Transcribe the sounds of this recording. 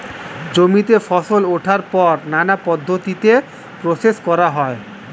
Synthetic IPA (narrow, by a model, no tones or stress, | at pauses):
d͡ʑomit̪efɔʃoloʈʰaɾpɔɾnanapɔd̪ʱːot̪it̪e | pɾoseʃkɔɾaɦɔe